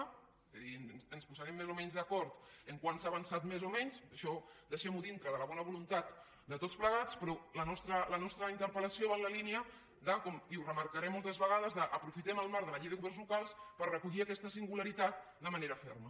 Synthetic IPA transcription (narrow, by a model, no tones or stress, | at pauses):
ezðiənspuzəɾɛmːezomɛɲzðəkɔɾt̪əŋkwansaβənsat̪mezomɛɲzəʃɔd̪əʃɛmuðint̪ɾəðələβɔnəβulunt̪at̪ | d̪ət̪ot͡spləɣ̞at͡spɾɔlənɔst̪ɾələnɔst̪ɾəint̪əɾpələsioβanləlineə | d̪akɔmiuwrəməɾkəɾɛmːɔlˠt̪əzβəɣaðəzðəʔəpɾufit̪ɛməlˠmaɾðələʎejðəɣuβɛnzlukalˠspərrəkuʎiakɛst̪əsiŋɡuləɾit̪at̪̚ | d̪əməneɾəfɛ̰ɾmə